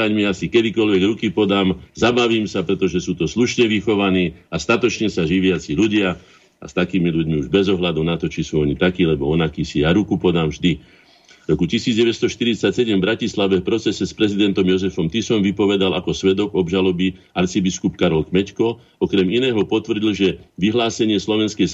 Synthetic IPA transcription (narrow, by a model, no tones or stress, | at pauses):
aɲmiasikɛd̪ikɔʎʋɛɡɾukipɔd̪aːmzabaʋiːmsapɾɛt̪ɔʒɛsuːt̪ɔsluʃɲɛʋixɔʋaniːast̪at̪ɔt͡ʃɲɛsaʒiʋɪat͡siːʎuɟɪa | a̰st̪akiːmilʎuɟmiuʒbɛzɔɦlad̪unat̪ɔt͡ʃisuːɔɲit̪akiːlɛbɔɔnakiːsijaɾukupɔd̪amʒd̪i | ɾɔkucisiːd͡zɟɛʋɛst̪ɔʃt̪iɾit͡sacsɛɟɛmvbɾacislaʋɛfpɾɔt͡sɛsɛspɾɛzid̪ɛnt̪ɔmjɔzɛfɔmt̪isɔmʋipɔʋɛd̪ala̰kɔsʋɛd̪ɔɡɔbʒalɔbiaɾt͡sibiskupkaɾɔlkmɛckɔ | ɔkɾɛminɛːɦɔpɔt̪ʋr̩ɟilʒɛʋiɦlaːsɛɲɪɛslɔʋɛnskɛj